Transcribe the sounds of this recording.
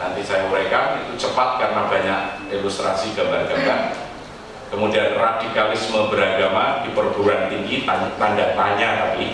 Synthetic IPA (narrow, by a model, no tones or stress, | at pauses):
nant̪isajaməɾekaḭt̪ut͡ʃəpat̪̚karənabaɲak̚delust̪ɾasiɡabakəkan | kəmudianradikalɪsməbəɾaɡamadipərbuɾant̪iŋɡit̪at̪andaʔ̚t̪aɲat̪api